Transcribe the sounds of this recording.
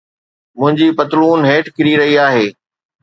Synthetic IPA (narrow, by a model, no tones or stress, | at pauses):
mʊ̃ɦɪ̃ɲd͡ʑipɐt̪luːnɦeːʈkɪɾiɾɐɦiaːɦeː